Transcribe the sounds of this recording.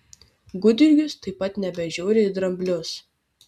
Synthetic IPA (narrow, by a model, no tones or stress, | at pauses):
ɡʊd̪ʲɪɾʲɡʲʊst̪ɐɪpːɐt̪nʲɛbʲɛʒʲoːɾʲeid̪ɾɐmʲbʲlʲʊs